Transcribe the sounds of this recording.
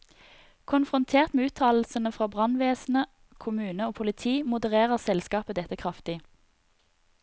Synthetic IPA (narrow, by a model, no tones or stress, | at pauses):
kʰʊnfʁʊnt̪ʰeːʁt̪meːʉːt̪ʰɑːll̩sənəfʁɑːbʁɑnʋeːsn̩ə | kʰʊmʉːnəoːpʰʊlɪt̪ʰiːmʊd̪əʁeːʁəʁsɛlskɑːpəd̪ɛt̪əkʰʁɑft̪ɪ